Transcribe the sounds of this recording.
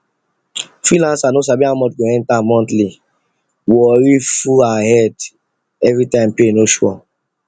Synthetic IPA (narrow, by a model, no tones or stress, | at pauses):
fɹilãnsanos̬abiamɔt̚ɡõɛ̃ntamɔ̃ntli | wɔɹifuaahɛd | ɛvɹitãɪ̃mpenoʃwɔ̰